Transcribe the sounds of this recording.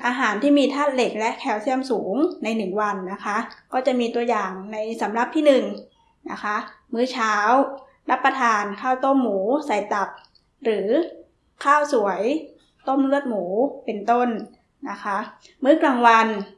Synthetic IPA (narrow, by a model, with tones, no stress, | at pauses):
ʔaː˧ɦaː˩˦nt̪ʰiː˥˩miː˧t̪ʰaː˥˩t̪̚le˨˩k̚lɛ˦˥ʔkʰɛː˧˩wsʰi˥˩əmsuː˩˦ŋna˧jnɯ˨˩ŋwa˧nːa˦˥kʰa˦˥ʔkɔː˥˩t͡ɕa˨˩ʔmiː˧t̪u˧ɐjaː˨˩ŋna˧jsa˩˦mɾa˨˩p̚t̪ʰiː˥˩nɯ˨˩ŋ | na̰˦˥kʰa˦˥ʔ | mɯː˦˥˩t͡ɕʰaː˦˥w | ɾa˦˥pːɾa˧t̪ʰaː˧nkʰaː˥˩wt̪o˥˩mːuː˩˦sa˨˩jt̪a˨˩p̚ | ɾɯː˩˦ | kʰaː˥˩wsu˨˩˦əj | t̪o˥˩mlɯ˥˩ət̪̚muː˩˦pe˧nt̪o˥˩nː | a˦˥kʰa˦˥ʔ | mɯː˦˥˩klaː˨˩ŋwa˧n